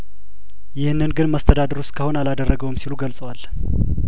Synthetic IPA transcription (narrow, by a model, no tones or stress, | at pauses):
jɪhnːɨnɡɨnməst̪ʰəd̪ad̪əɾuskʰəho̞nalad̪ərːəɡəwɨmsiluɡəlsʼəwal